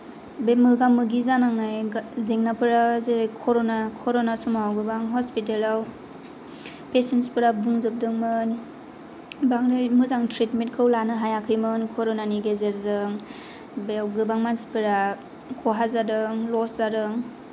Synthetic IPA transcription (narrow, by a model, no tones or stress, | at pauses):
bemɯɡamːɯɡizanaŋnajzeŋnapʰɯɾazekʰɔɾonakʰɔɾɔnasumawɡɯbaŋɦɔspitelaw | pesenspʰɯɾabuŋzɯp̚dɯŋmɯn | baŋɾɯjmɯzaŋtʰɾitmint̚kʰɯwlanɯɦajakʰɯjmɯnkʰɔɾɔnaniɡezeɾzɯŋ | bewɡɯbaŋmansi̥pʰɯɾa | kʰɔɦazadɯŋlɔszaɾɯŋ